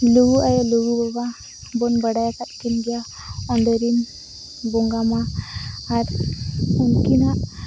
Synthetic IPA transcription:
luɡuʔajaluɡubɔba | bɔnbəɽajakat̪kinɡja | ɔndəɾin | bɔŋɡamaaɾ | unkinaʔ

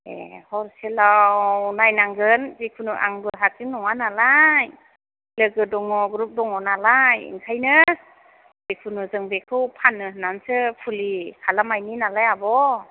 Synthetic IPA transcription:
ḛhɔɾselawnajnaŋɡɯnzekʰunuʔa̰ŋbɯɦatiŋnɔŋanalaj | lɯɡɯdɔŋɔɡɾup̚dɔŋɔnalajḭŋkʰajnɯ | bekʰunuzɯŋbekʰɯwpʰanːɯnansɯpʰulikʰalamajninalajabɔ

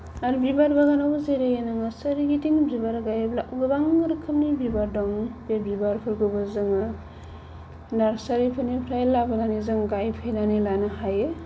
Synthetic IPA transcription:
aɾbibaɾbaɡanabɯzeɾejenaŋasɐɾiɡitiŋbibaɾɡajeblaʔuɡɯbaŋɯɾkʰɯmnibibaɾdɔŋbebibaɾpʰɯɾɡɯbɯzɯŋɯ | naɾsaɾipʰɯnipʰɾajlabɯnanizɯŋɡajpʰajnanilanahajɯ

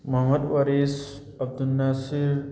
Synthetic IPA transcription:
mɐɦmɐd̪ʋɐɾeːs | ɐb̚d̪ulnasiɾ

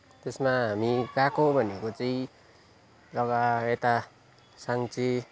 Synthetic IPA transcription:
t̪esmaɦamikakobʱʌnekot͡saĩ | lʌɡaet̪a | saŋt͡sʰe

